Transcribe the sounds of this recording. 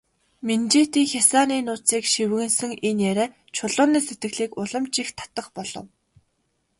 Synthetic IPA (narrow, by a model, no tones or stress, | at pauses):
ment͡ɕeːt̪iːŋxʲasaːniːnʊːt͡siːkʃiwɣɘ̆nsɘ̆ŋenjæɾæː | t͡ɕʰʊɮʊːniːset̪ɡɘ̆ɣɮiːkʊɮə̆mt͡ɕixt̪ʰḁt̪ə̆χpɔɮ̥ɞ̰̆w